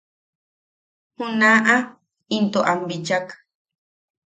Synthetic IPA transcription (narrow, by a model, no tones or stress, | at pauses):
hũnaʔa | int̪oʔambit͡ʃak